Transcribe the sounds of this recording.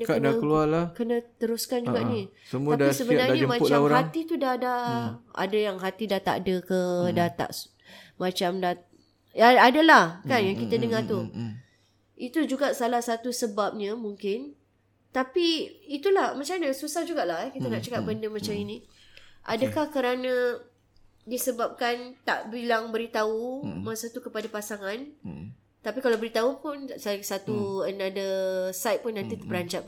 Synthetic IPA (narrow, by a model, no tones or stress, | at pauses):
dəkadakəlualakənə̃t̪əɾuskand͡ʒuɡaʔni | səmuadaisəbənaɾɲad͡ʒəmat͡ʃlamɾahat̪it̪udadaa̰dəjaŋɦat̪idat̪a̰ʔdəkədat̪a̰ʔ | mãt͡ʃamda | aadəlahkanjaŋkit̪ədəŋat̪u | it̪ud͡ʒuɡaʔsalahsat̪usəbap̚ɲəmuŋkɪn | t̪apiit̪ulahmat͡ʃamɲãsusahd͡ʒuɡaʔlaɦɛkit̪ənaʔt͡ʃakaʔ̚bəndəmat͡ʃaminĩ | ʔa̰dəkahkəɾanə̃ | disəbap̚kant̪aʔbilaŋbəɾit̪aumasat̪ukəpadapasaŋãn | t̪apikalawbəɾit̪aupʊnsasat̪uənadəsajt̪̚pʊnːãnt̪it̪əpəɾaɲt͡ʃap